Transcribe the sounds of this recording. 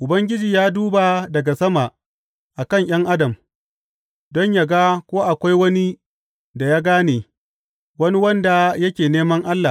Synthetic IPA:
ʔʊ˨bɐ˦ŋɡʲɪ˦d͡ʒiː˨jaː˦duː˦ba˨dɐ˨ɡa˨sɐ˦ma˨ | ʔa˨kɐ˦˨ŋj̰ɐ˦ŋʔa˦dɐ˨m | dɔ˦ɲja˨ɡa˦kʷoː˦ʔa˨kʷa˦jwɐ˦ni˦ | da˨jaː˦ɡaː˦neː˨ | wɐ˦ni˦wɐ˦nda˨jɐ˦kʲeː˨neː˦mɐ˦ŋʔa˦lːa˨

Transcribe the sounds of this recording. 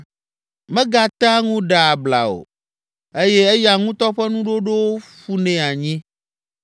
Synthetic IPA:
mɛ̃˦ɡa˨t̪a˦ŋũ˦ɖa˨a˨bla̰˨o̰˨ | e˦jɛ˦e˦ja˨ŋũ˦t̪ɔ˦ɸɛ˦nũ˦ɖo˦ɖe˦wo˦ɸu˦nɛ̃˨a˨ɲĩ˦

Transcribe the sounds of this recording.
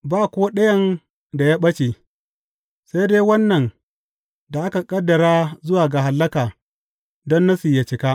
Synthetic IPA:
baː˦˨kʷoː˦ɗɐ˦jɐ˦n | da˨jaː˦ɓɐ˦t͡ʃe˨ | sa˦jdeː˦wɐ˦nːɐ˨n | da˨ʔa˦ka˨kʼɐ˦dːɐ˨ɾaː˦zʊ˦waː˨ɡa˨ɦa˨lːɐ˦kaː˨ | dɔ˦nːa˦su˨ja˨t͡ʃɪ˨kaː˦

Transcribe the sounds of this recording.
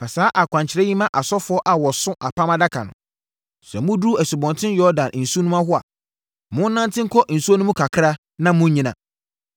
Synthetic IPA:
pʰa˨saː˨˦ʔa˨kʷʰã˨ɲt͡ɕʰɪ˨ɾɛ˦ɲĩ˦mã˦ʔa˨sɔ˦fʊ˨˦ɔ˦ʔa˨wɔ˨sʊ̃˦ʔa˨pʰã˦mã˦da˦kʰa̰˨nʊ̰̃˨ | sɛ˨mʊ̃˦du˦æ˨su˨bɔ̃˨ntʰɪ̃˦n˦jɔ˦dã˨nn̩˨su˦nũ˦ã˦ɦʊ˦a˨ | mʊ̃˦n˦nã˦ntʰɪ̃˦ŋ̩˦kʰɔ˦ʔn̩˨su˦ɔ˦nʊ̃˦mũ˦kʰa˨kʰɾa˦ | nã˦mʊ̃˦ɲĩ˦nã̰˨

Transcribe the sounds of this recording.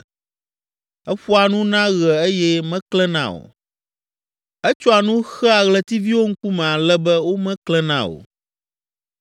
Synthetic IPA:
ɛ˦ɸɔ˦a˨nũ˦nã˦ɣɛ˨e˦jɛ˦mɛ̃˦klɛ˦nã̰˦˨o̰˨ | ɛ˦t͡ʃɔ˦a˨nũ˦xɛ˦a˨ɣlɛ˦t̪i˦vi˦wo˦ŋ̩˦ku˦mɛ̃˨a˨lɛ˦bɛ˦wo˦mɛ̃˦klɛ˦nã̰˦˨o̰˨

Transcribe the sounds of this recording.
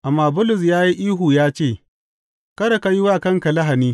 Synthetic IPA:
ʔa˨mːaː˨bʊ˦lʊ˨s̬jaː˦ji˦ʔiː˦ɦuː˨jaː˦t͡ʃeː˦˨ | kɐ˦ɽɐ˨ka˦jɪ˦waː˦˨kɐ˦ŋka˨lɐ˦ɦa˨niː˦

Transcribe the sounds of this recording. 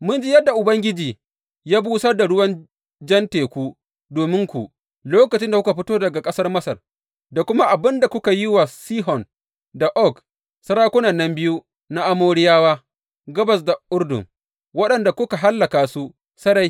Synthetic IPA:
mʊ˦nd͡ʒi˦jɐ˦dːa˨ʔʊ˨bɐ˦ŋɡʲɪ˦d͡ʒiː˨ | jaː˦buː˦sɐ˦rda˨ɽʊ˦wɐ˦n | d͡ʒɛ˦nteː˨kʷu˦ | doː˨mɪ˦ŋkʷu˨ | loː˦kɐ˨t͡ʃɪ˦nda˨kʷʊ˦ka˨ɸɪ˦toː˦dɐ˨ɡa˨kʼɐ˦sɐ˦rmɐ˦sɐ˨r | da˨kʷʊ˦ma˦ʔa˨bɪ˦nda˨kʷʊ˦ka˨jɪ˦wa˨siː˦ɦɔ˨n | da˨ʔɔ˦˨k | sɐ˦ɽaː˦kʷʊ˦nɐ˨nːɐ˦mbɪ˦ju˦ | na˦ʔa˦moː˦ɽɪ˦jaː˦waː˦ | ɡɐ˦bɐ˨s̬da˨ʔʊ˦rdʊ̰˨ŋ | wɐ˦ɗɐ˨nda˨kʷʊ˦ka˨ɦa˦lːɐ˨kaː˨su˦ | sɐ˦ɽa˦j

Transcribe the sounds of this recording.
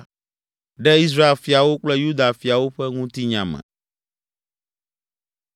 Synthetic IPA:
ɖɛ˦i˦s̬ɾa˦e˨lfi˨a˨wo˦k͡plɛ˦ju˦d̪a˨fi˨a˨wo˦ɸɛ˦ŋũ˦t̪i˦ɲã˨mɛ̰̃˨

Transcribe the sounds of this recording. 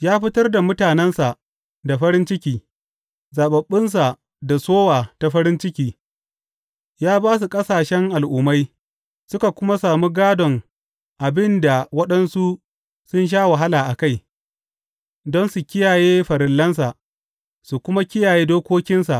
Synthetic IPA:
jaː˦ɸɪ˦tɐ˦rda˨mʊ˦taː˨nɛ˦nsa˨ʔ | da˨ɸɐ˦ɾɪ˦nt͡ʃɪ˦kʲiː˨ | zaː˨ɓɐ˨ɓːɪ˦ns̬a˨ | da˨soː˦waː˨ta˨ɸɐ˦ɾɪ˦nt͡ʃɪ˦kʲiː˨ | jaː˦baː˦s̬u˨kʼɐ˦saː˨ʃɛ˦ŋʔa˨lʔʊ˨ma˦j | sʊ˦ka˨kʷʊ˦ma˦saː˨mu˦ɡaː˦dɔ˨ŋ | ʔa˨bɪ˦nda˨wɐ˦ɗɐ˦nsu˦ | sʊ˦nʃ̬aː˦wa˨ɦa˦laː˨ʔa˨ka˦˨j | dɔ˦nsu˨kʲɪ˦jaː˨jeː˦ɸɐ˨ɾɪ˨lːɐ˦ns̬a˨ʔ | su˨kʷʊ˦ma˦kʲɪ˦jaː˨jeː˦doː˦kʷoː˦kʲɪ˦nsa̰˨ʔ

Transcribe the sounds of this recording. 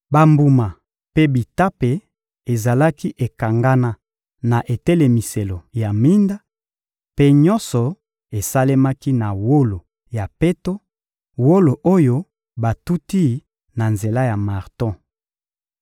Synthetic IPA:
ba˨mbu˨ma˨ | pe˦bi˨ta˦pe˨ | e˨za˨la˦ki˦ʔe˨ka˨ŋɡa˦na˦ | na˨ʔe˨tɛ˦le˨mi˨se˨lo˨ja˨mi˦nda˦ | pe˦ɲɔ̃˦sɔ˨ | e˨sa˦le˦ma˦ki˦na˨wo˦lo˨ | ja˨pe˦to˦ | wo˦lo˨ʔo˦jo˦ | ba˨tu˦ti˦ | na˨nze˨la˦ja˨ma˨ʁtɔ̃˦

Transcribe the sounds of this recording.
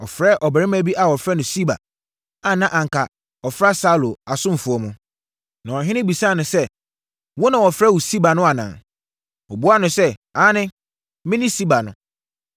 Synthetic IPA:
ɔ˨fɾɛ˦ʔɔ˨bɛ˨ɪ̃˦mæ˦bi˦ʔa˨wɔ˨fɾɛ˦nʊ̃˨si˦ba̰˨ | a˨nã˦ʔã˨ŋ˨kʰa˨ | ɔ˨fɾa˦sa˦lo˨a˨sʊ̃˦m˨fʊ˨˦ɔ˦mʊ̃˦ | nã˨ɔ˨ɦɪ̃˦nɪ̃˦bi˨sa˦˨nʊ̃˨sɛ˦ | wɔ˦nã˨wɔ˨fɾɛ˦wu˨si˦ba˨nʊ̃˦a˨nã̰˨ | ɔ˨bu˦a˦nʊ̃˨sɛ˦aː˨˦nɪ̃˦ | mɪ̃˦nɪ̃˦si˦ba˨nʊ̰̃˨

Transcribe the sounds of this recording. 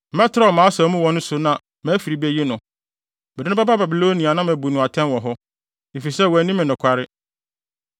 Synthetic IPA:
mɛ̃˦tʰɪ˨ɾa˦˨mãː˨˦sa˨˦mũ˦wɔ̃˨nʊ̃˦sʊ˨nã˨ | mæ̃˨˦fi˨ɾi˨bɛ˦je˦nʊ̃˨ | mɪ˨dɪ˦nʊ̃˦ba˦ba˦ba˨bi˨lo˦nĩ˨a˨nã˦mɛ˨bu˨nʊ̃˨a˨tʰɛ̃˦nwɔ̃˨ɦɔ˦ | e˨fi˨sɛ˦wɔ˨æ˨nĩ˦mɪ̃˨nʊ̃˨kʷʰa˦ɾɪ˦

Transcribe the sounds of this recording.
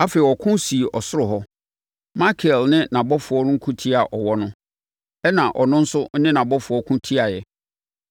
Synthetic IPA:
a˦fe˨i˨wɔ˨kʰʊ̃˦nsi˨e˨ʔɔ˨sʊ˦ɾʊ˨ɦɔ˦ | ma˦kʰɛ˨lnɪ̃˦nã˨bɔ˦fʊ˨ɔ˦nʊ̃˦ŋ̩˦kʰũ˦tʰi˦a˨ʔɔ˨wɔ˦nʊ̃˦ | ɛ˦nã˨ʔɔ˨nʊ̃˦n̩˦sʊ˦nɪ̃˦nã˨bɔ˦fʊ˨ɔ˦kʰʊ̃˦tʰi˦a˨jɛ˨

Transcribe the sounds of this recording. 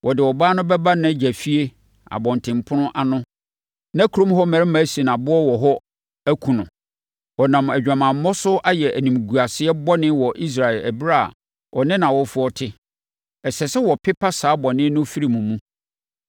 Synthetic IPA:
wʔɔ˨dɪ˨wɔ˨baː˦nʊ̃˦bɛ˦ba˦nã˨˦d͡ʑæ˨fi˦e˦ | a̰˨bɔ̃˨ntʰɪ̃˨mpʰʊ˦nʊ̃˦ʔa˨nʊ̃˦ | nã˦kʰu˨ɾõ˦mɦɔ˦mæ̃˨ɾɪ˦mæ˨˦si˨nã˨bʊ˦ɔ˦wɔ˨ɦɔ˦ | æ˦kʰũ˨nʊ̃˨ | wɔ˨nã˨mæ˨d͡ʑᶣã˨mãː˨˦ɔ˦sʊ˦ʔa˦jɛ˨ʔæ˨nĩ˨m˨ɡu˨a˨sɪ˦ɛ˦bɔ˦nɪ̃˦wɔ˨ʔi˦s̬ɾa˨ɛ˨læ̰˨bi˦ɾa˦˨a̰˨ | wʔɔ˨nɪ̃˦nã˨wɔ˦fʊ˦ɔ˦tʰɪ˦ | ɛ˨sɛ˨sɛ˦wɔ˨pʰɪ˦pʰa˦saː˨˦bɔ˨nɪ̃˦nʊ̃˦fi˦ɾi˨mũ˨mũ˦

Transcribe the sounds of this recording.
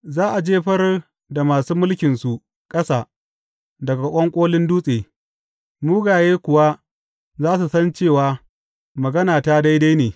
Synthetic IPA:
zaː˦ʔa˨d͡ʒeː˦ɸɐ˦r | da˨maː˨suː˦mʊ˦lkʲɪ˨nsu˨ʔ | kʼɐ˦saː˨ | dɐ˨ɡa˨ʔʷʼɔ˦ŋkʷʼoː˦lɪ˦nduː˦sʼeː˨ | muː˦ɡaː˨jeː˦kʷʊ˨wa˦ | zaː˦s̬u˨sɐ˦nt͡ʃeː˦˨waː˨ | mɐ˨ɡɐ˦naː˨taː˦da˦jda˦jneː˨

